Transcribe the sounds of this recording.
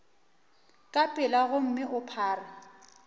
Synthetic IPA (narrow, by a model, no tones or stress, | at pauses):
kʼapʼɪlaɣʊm̩mɪʔʊpʰaːra